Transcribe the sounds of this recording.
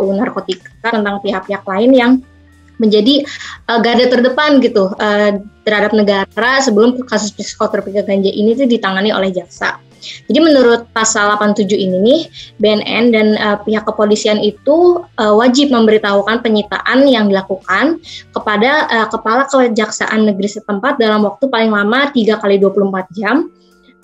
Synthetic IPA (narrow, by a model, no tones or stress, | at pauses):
unarkot̪ikat̪ənt̪aŋpiɦak̚piɦak̚laɪnjaŋ | məɲd͡ʒadiʔəɡadat̪ərdəpanɡit̪uəːt̪ərhadap̚nəɡaɾasəbəlʊmkasʊspisi̥kot̪əɾpiɡaɡaɲd͡ʒaʔinit̪udit̪aŋanio̰lɛhd͡ʒaksa̰ | d͡ʒadimənuɾʊt̪̚pasalapant̪ud͡ʒuininɪhbeɛnɛ̰ndanəpiɦakːəpolisianit̪uəwad͡ʒɪp̚məmbəɾit̪aɦukanpəɲit̪a̰ʔanjaŋdilakukankəpadaʔəːkəpalakəd͡ʒaksa̰ʔanːəɡɾisət̪əmpat̪̚dalamwak̚t̪upalɪŋlamat̪iɡakaliduapuluhəmpat̪̚d͡ʒam